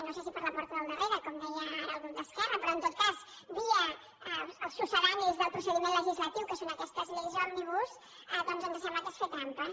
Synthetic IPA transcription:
nosesipəɾləpɔɾt̪əðəlˠd̪əreɾəkɔmd̪ɛjəːlˠɣund̪əskɛrəpɾɔənt̪ot̪̚kaz | βiə | əlˠsusəβanizðəlˠpɾusəðimẽnləʒizlət̪iwkəsonəkɛst̪əzlezamːiβus | əd̪ɔnzənd̪əs̬amanəsfet̪ant̪ə

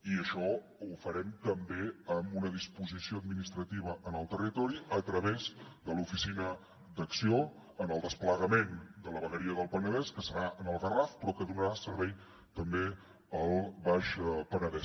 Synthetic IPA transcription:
iəʃɔ | ufəɾɛmt̪əmbeəmunəðispuzisioəd̪̚minist̪ɾət̪iβəʔənəlˠt̪ərit̪ɔɾiət̪ɾəβezd̪əlufisinə | d̪əksio | ənəlˠd̪əspləɣəmend̪ələβəɣəɾiəðəlˠpənəðɛskəsəɾaʔənəlˠfərafpɾɔkəðunəɾasəɾβɛj | t̪əmbe | əlˠβaʃpənəðɛs

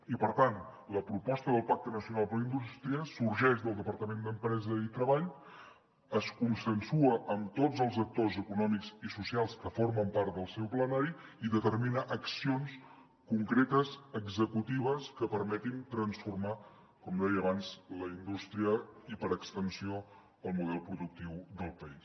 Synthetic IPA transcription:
ipəɾt̪an | ləpɾupɔst̪əðəlˠpak̚t̪ənəsiunalˠpəɾləind̪ust̪ɾiəsuɾʒɛʃd̪əlˠd̪əpəɾt̪əmend̪əmpɾɛzəit̪ɾəβaʎ | əskunsənsuəʔəmt̪od͡zəlˠzək̚t̪ozəkunɔmikzisusialˠskəfoɾməmpaɾt̪̚d̪əlˠsɛwplənaɾiiðət̪əɾminəʔəksions | kuŋkɾet̪əzəɡzəkut̪iβ̞əskəpəɾmɛt̪int̪ɾənsfurma | kɔmd̪ɛjəːβanzləind̪ust̪ɾiəipəɾəkst̪ənsio | əlˠmuðɛlˠpɾuðuk̚t̪iwðəlˠpəis

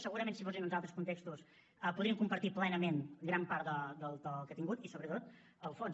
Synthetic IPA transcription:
səɣuɾəmẽnsifozinənˠzalˠt̪ɾəskunt̪ekst̪us | əpuðɾiəmkumpəɾt̪iplɛnəmenɡɾampaɾt̪d̪əd̪əlˠd̪əlˠkət̪iŋɡut̪isoβɾət̪ot̪ | əlˠfon

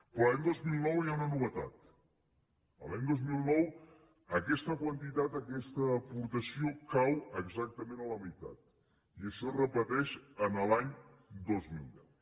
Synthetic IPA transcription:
pɾɔlaɲd̪ozmilˠnɔwjaunənuβət̪a̰t̪ | ə̰laɲd̪ozmilˠnɔw | əkɛst̪əkwənt̪it̪at̪əkɛst̪əːpuɾt̪əsiokawəɡzak̚t̪əmenələmit̪a̰t̪̚ | iəʃɔrəpət̪ɛʃənəlaɲ | d̪ozmilˠd̪ɛw

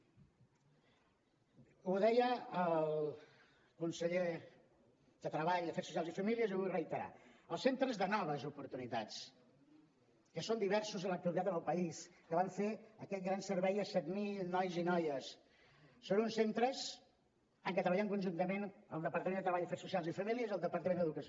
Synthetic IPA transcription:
uðɛjəəlˠ | kunsəʎe | ðət̪ɾəβaʎd̪əfɛɾsusijalzifəmiliəzurəjt̪əɾa̰əlˠsent̪ɾəzðənɔβ̞əzupuɾt̪unit̪a̰t͡s | kəsond̪iβ̞ɛɾsuzənlək̚t̪uəlit̪at̪ənəlˠpəiskəβaɱfeəkɛt̪̚ɡɾansəɾβɛjəsɛt̪milˠnɔjzinɔjəsː | oβunsent̪ɾəz | aŋkət̪ɾəβəʎaŋkunʲʒunt̪əmenəlˠd̪əpəɾt̪əmenət̪ɾəβaʎəfeɾsusialˠzifəmiliəzəlˠd̪əpəɾt̪əmend̪əðukəs

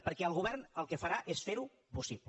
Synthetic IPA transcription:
pəɾkɛəlˠɣuβ̞ɛrnəlˠkəfəɾaʔesfeɾu | pusiβ

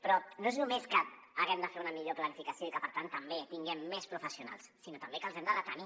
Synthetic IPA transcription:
pɾɔnoeznumeskəː | ɣɛmd̪əfeunəmiʎoplənifikəsioikəpəɾt̪ant̪ːəmbet̪iŋɡɛmːespɾufəsiuna̰lˠssinot̪əmbekəːlˠzɛmd̪əðət̪ani

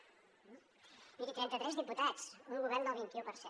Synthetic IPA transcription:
iɾit̪ɾɛnt̪ət̪ɾɛzðiput̪at͡sunɣuβɛrnd̪əlˠβint̪iupəɾsɛ

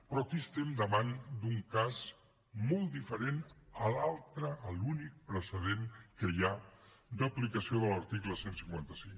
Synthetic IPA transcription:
pɾɔkist̪emd̪əβand̪uŋkaz | mɔlˠt̪d̪ifəɾenəlalˠt̪ɾəːlunik̚pɾəsəðeŋkəja | d̪əplikəsioðələɾt̪ikləsensiŋkwant̪əsiŋ

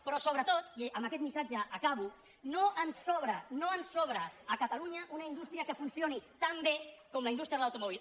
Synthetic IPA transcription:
pɾɔsoβ̞ɾət̪ot̪əməkɛt̪misad͡ʒəːkaβu | noʔənsɔβɾənoənsoβɾəːkət̪əluɲəʔunəind̪ust̪ɾiəkəfunsionit̪ambekɔmləind̪ust̪ɾəðələwt̪umɔβil

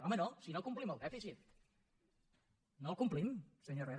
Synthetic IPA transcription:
ɔmənosinokumpliməlˠd̪ɛfisit̪̚ | nolˠkumplimsəɲoreɾ

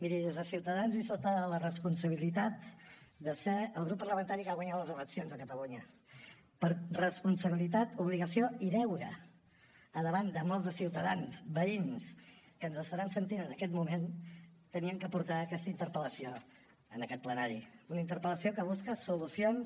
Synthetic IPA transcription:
miɾiəlˠzðəsiwt̪əðanzisəlˠt̪aðələrəspunsəβ̞ilit̪at̪d̪əseəlˠɣ̞ɾupːərləmənt̪aɾikaɣwaɲat̪ləzələksionzəkət̪əluɲə | pəɾrəspunsəβilit̪at̪uβliɣəsioiðɛwɾə̰ | əðəβand̪əmɔlˠzðəsiwt̪əðanzbəins | kənzəsfəɾansənt̪iɾənəkɛt̪mument̪əniəmkəpuɾt̪aəkɛst̪əint̪əɾpələsio | ənəkɛt̪̚plənaɾiunəint̪əɾpələsiokəβ̞uskəsulusions

